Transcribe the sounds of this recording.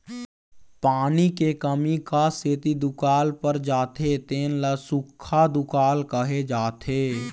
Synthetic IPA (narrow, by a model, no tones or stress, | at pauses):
paːnikekəmikaset̪id̪ʊkaːlpəɾd͡ʒaːt̪ʰet̪eːnləsʊkʰːad̪ʊkaːlkəɦed͡ʒaːt̪ʰeː